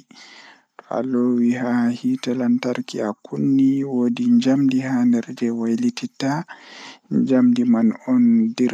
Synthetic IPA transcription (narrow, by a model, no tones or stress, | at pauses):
a̰lowiɦahitalantaɾkiakunːiwodiɲd͡ʒamdihandɛɾd͡ʒɛwajlitita | ɲd͡ʒamdimanɔndiɾ